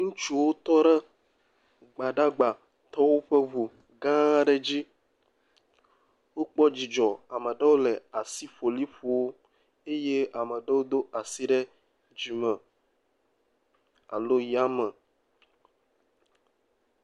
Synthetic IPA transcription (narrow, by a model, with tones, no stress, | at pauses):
ŋũ˦t͡ʃu˦wo˦t̪ɔ˦ɖɛ˦ | ɡ͡ba˨ɖa˦ɡ͡ba˨ | t̪ɔ˦wo˦ɸe˦vu˨ | ɡã˦ɖɛ˦d͡ʑi˦ | wo˦k͡pɔ˦d͡ʑi˨d͡ʒɔ˨a˨mɛ̃˨ɖɛ˦wo˦lɛ˨a˨si˦ɸo˨li˦ɸu˨wo˦ | e˦je˦a˨mɛ̃˨ɖɛ˦wo˦d̪o˦a˨si˦ɖɛ˦ | d͡ʑi˨mɛ̃˨ | a̰˨lo˦ja˦mɛ˨